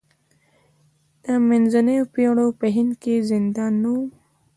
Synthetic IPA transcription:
t̪amenzɐnepjoɽopeɦinkezind̪aːnːu

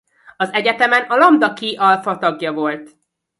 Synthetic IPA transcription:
ɒzɛɟɛt̪ɛmɛnɒlɒmd̪ɒkiʔɒlfɒt̪ɒɡjɒvo̞lt̪

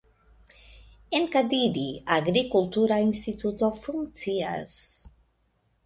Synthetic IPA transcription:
eŋkad̪iɾiaɡɾikult̪uɾainst̪it̪ut̪ofuŋsia̰s

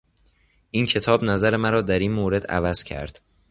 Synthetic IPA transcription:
ʔiːncʰe̞t̪ʰɒːbnæzæɾe̞mæɾɒːd̪æɾiːnmoːɾe̞d̪æ̰væz̥cʰæ̰ɾd̪̥

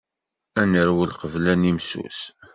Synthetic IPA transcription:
ænəɾwəlqəvlænimsṵs

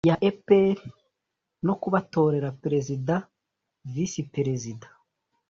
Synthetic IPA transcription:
jaʔepeɾ | no̞kuβato̞ːɾe̞ɾapeɾezida | visipeɾe̞zida

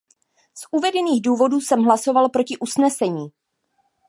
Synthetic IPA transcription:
sʔuvɛdɛniːɣduːvo̞duːsɛmɦlaso̞valpɾo̞cɪʔusnɛsɛɲiː

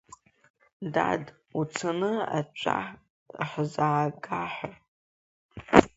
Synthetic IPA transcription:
dad | ut͡sʰanɨa̰t͡ʃʷʰʼa̰ | ħzaːɡaħʷa

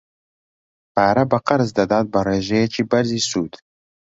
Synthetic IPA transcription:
paːɾɐbɐqɐɾzd̪ɐd̪aːt̪̚bɐreːʒejet͡ʃʰiːbɐɾziːsuːd̪̥

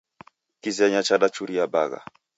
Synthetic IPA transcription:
kizɛɲat͡ʃaɗat͡ʃuɾijabaɣa̰

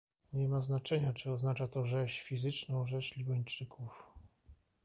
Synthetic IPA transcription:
ɲɛmaznat͡ʂɛɲat͡ʂɘɔznat͡ʂat̪ɔʐɛɕfʲizɘt͡ʂnɔ̃w̃ʐɛɕlʲibaɲt͡ʂɘkuf

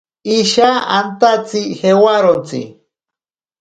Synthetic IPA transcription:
iʃaant̪at͡sixewaɾont͡sḭ

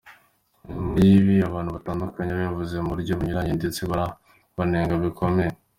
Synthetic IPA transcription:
ndiβiaβaːnhuβataːndukaɲeβajavuze̞muɾɟoβuɲuɾaɲindet͡siβaɾa | βaneːŋɡaβikʰo̞mej

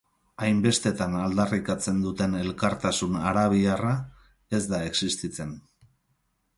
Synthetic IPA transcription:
ajmbe̞st̪e̞t̪anald̪arikat͡se̞nd̪ut̪e̞ne̞lkaɾt̪asunaɾaβ̞iara | e̞zd̪ae̞ksist̪it͡se̞n

